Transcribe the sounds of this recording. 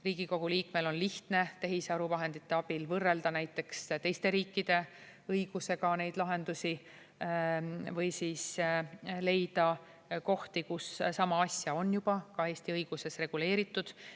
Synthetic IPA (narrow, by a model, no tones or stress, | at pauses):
riːɡ̥iko̞ɡ̥uliːkme̞lo̞nliht̪ne̞t̪e̞ɦiseɑɾuvɑɦe̞nd̪̥it̪ːeɑb̥ilvɤrːe̞ld̪ɑnæjt̪ːˑe̞kst̪e̞jst̪e̞ɾiːkːid̪̥e̞ | ɤjɡ̥use̞ɡɑne̞jd̪̥lɑɦe̞nd̪usi | vɤjsiːs | le̞jd̪̥ɑ | ko̞ht̪ikussɑmɑɑsʲjɑo̞njub̥ɑkɑe̞ːst̪iɤjɡ̥use̞sre̞ɡ̥ule̞ːɾit̪ːˑud̪̥